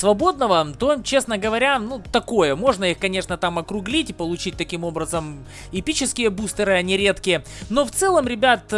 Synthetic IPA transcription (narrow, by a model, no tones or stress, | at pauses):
svɐbo̞d̪nəvət̪o̞t͡ɕe̞snəɡəvɐɾʲanut̪ɐko̞jəmo̞ʐnəixkɐnʲe̞ʂnət̪amɐkɾʊɡlʲitʲɪpəlˠʊt͡ɕit̚ʲt̪ɐkʲimo̞bɾəzəm | ɪpʲit͡ɕɪskʲɪjəbust̪əɾɨɐnʲɪɾʲe̞t̪kʲɪjə | no̞ft̪sɛlˠəmɾʲɪbʲat̪